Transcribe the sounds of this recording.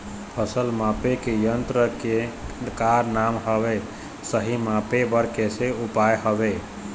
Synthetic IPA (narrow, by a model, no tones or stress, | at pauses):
pʰəsəlmapekejənt̪ɾəkekaɾnamɦəβɛ | səɦimapebəɾkeseupajɦəbe